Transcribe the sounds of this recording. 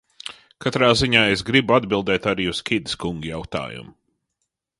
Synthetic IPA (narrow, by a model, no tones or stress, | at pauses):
kat̪ɾaːziɲaːesɡɾibuad̪bilˠd̪ɛːt̪aɾiːuskʲid̪ɪskuŋɡujawt̪a̰ːjṵmʊ